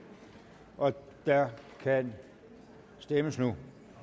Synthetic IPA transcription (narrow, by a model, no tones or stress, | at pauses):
ʔɒ̽d̥ækʰæn | sd̥eməsnu